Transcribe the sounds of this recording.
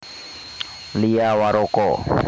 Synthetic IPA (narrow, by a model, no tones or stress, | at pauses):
lijawaɾʊkʼɔ